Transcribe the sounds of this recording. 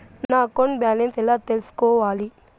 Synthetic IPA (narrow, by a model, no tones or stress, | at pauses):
nnaːkoɳbjaːlensɛlat̪elskoːʋaːli